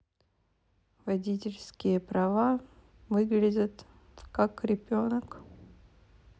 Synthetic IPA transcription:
vɐdʲitʲɪlʲskʲɪjəpɾɐva | vɨɡlʲɪdʲət̪ | kakɾʲɪbʲo̞nək

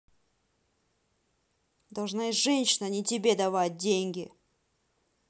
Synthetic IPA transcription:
d̪ɐlˠʐnaɪʐɛnʲɕɪnənʲɪtʲɪbʲe̞d̪ɐvat̚ʲdʲenʲɡʲɪ

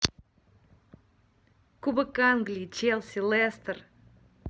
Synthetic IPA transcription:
kubəkanɡlʲit͡ɕelˠsʲilˠɛst̪ər

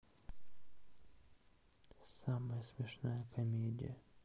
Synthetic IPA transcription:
saməjəsmʲɪʂnajəkɐmʲedʲɪ̰jə

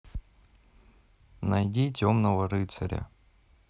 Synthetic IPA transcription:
nɐjdʲitʲomnəvəɾɨt̪sɐ̰ɾʲə̰

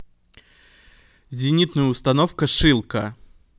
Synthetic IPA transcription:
zʲɪnʲit̪nʊjʊst̪ɐnofkəʂɨlˠkə

